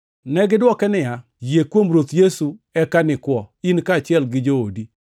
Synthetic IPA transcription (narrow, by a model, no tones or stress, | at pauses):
nɛɡɪdwɔkɛnɪa | jekwomɾot̪jesuɛkanɪkwɔinkaːt͡ʃɪɛlɡɪd͡ʒoodi